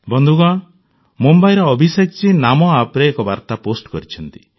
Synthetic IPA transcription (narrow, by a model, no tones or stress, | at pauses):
bɔnd̪ʱuɡã | mumbajɾɔɔbʱisek̚t͡ʃinamɔapɾeːkɔbaɾt̪aposʈkɔɾit͡ʃʰɔnt̪i̥